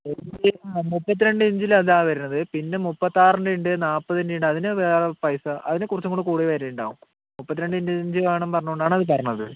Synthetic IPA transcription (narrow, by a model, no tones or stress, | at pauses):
eeamupːɐt̪̬ːiɾe̞ɳɖɨiɲd͡ʑilɐðaːʋɐɾunːɐðɨpinːe̞mupːɐt̪ːaːrɐnɖiɳɖɨnaːpːɐtðindiɳɖɨɐðinɨʋeːrɐpɐjsɐʔɐðinekurɐt͡ɕːuŋɡoɳɖɨkuːɽiʋɐɾejuɳɖa̰ːʋum | mupːɐt̪̬ːiɾeɳɖɨiɲd͡ʑɨɲd͡ʑɨʋaːɳɐmpɐrɐɲːuoɳɖaːɳɐðɨp̬ɐrɐɲːɐðɨ